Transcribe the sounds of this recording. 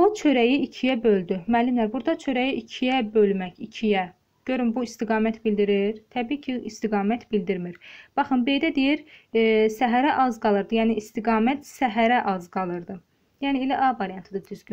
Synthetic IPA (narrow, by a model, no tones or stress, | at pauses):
ot͡ʃʰø̞ɾæjiicʰijæbø̞ld̪ymælːymlæɾbuɾd̪ɑt͡ʃʰø̞ɾæjiʔicʰijæbø̞lmæçicʰijæ | ɟ̥ø̞ɾymbuist̪iɡɑːmæt̪ʰbild̪iɾiɾt̪ʰæbiːcʰiist̪iɡɑːmæt̪bild̪iɾmiɾb̥ɑχɯmbejd̪æd̪ejiɾ | sæɦæɾæʔɑzɡɑlˠɯɾd̪ɯjæːniʔist̪iɡɑːmæt̪sæɦæɾæʔɑzɡɑlˠɯɾd̪ɯ | jæːnielæʔɑvɑɾjɑnt̪ʰid̪ɯd̪̥yzɡy